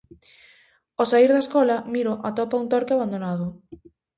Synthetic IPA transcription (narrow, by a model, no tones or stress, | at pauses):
osaiɾðaeskɔlɐmiɾʊʔat̪ɔpaunt̪oɾkeaβand̪onað̞ʊ